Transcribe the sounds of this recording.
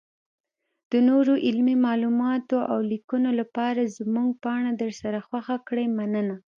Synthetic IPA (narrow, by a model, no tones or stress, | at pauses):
d̪̥ənoɾoʔɪlmimɑlumɑt̪oʔawlikunolapɑɾazmuŋɡ̚pɑɳ̃ad̪əɾsaɾaxwaxakɽəjmanəna